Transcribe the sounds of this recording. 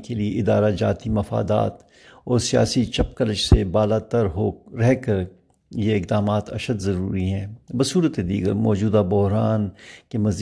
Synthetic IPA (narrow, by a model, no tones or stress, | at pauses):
kelieʔɪd̪aːɾad͡ʒa̰ːt̪imɐfa̰ːd̪a̰ːt̪ | ɔːɾsija̰ːsit͡ʃɐp̚kɐlət͡ʃsebaːlaːt̪əɾɦoːɾɛɦkɐɾ | jeɪk̚d̪aːmaːt̪ʰɐ̰ʃəd̪zɐɾuːɾiɦɛ̃ːbəsuːɾət̪ed̪ḭːɡə̰ɾmɔːd͡ʒuːd̪abʊɦɾaːnkemɐz